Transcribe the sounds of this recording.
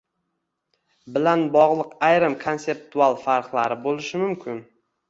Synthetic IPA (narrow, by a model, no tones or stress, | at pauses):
bɪlanbɒʁlˠɨqajɾɪmkʰo̞nse̞p̚t̪ʰualˠfaɾqlˠaɾɪbolɪʃɪmʊmkʲʰɪn